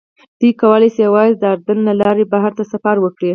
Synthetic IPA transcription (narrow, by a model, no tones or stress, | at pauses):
d̪̥ujkawalajsjawɑjzd̪əaɾd̪ənlalɑɾebaɦaɾt̪asafaɾwəkɽi